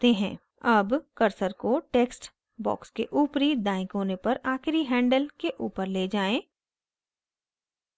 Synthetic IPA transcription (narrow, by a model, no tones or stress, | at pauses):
t̪eɦɛ̰̃ː | ɐbkɐɾsəɾkoʈeːksʈ | bɔ̰ːkskeʔuːpɾid̪ãːɪ̃kɦoːnepɐɾaːxɪɾiɦɛ̃ːɳɖəlkeʔuːpəɾleːd͡ʒaːẽː